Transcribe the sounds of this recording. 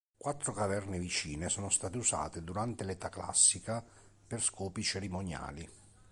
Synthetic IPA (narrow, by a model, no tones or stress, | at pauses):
kwat̪ːɾokavɛrnevit͡ʃiːnesɔːnost̪aːt̪eusa̰ːt̪ed̪uɾant̪elet̪akla̰sːika | perskɔːpit͡ʃeɾimonja̰ːli